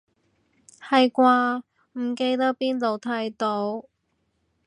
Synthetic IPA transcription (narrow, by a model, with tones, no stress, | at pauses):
hɐ˨jkwaː˧ | m̩˨˩ke˧jt̪ɐ˥k̚piː˥nt̪o˨˧wt̪ʰɐ˨˥jt̪o˨˧˥w